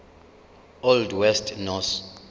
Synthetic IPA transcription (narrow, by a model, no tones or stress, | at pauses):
ɔldwɛstʰʼnɔs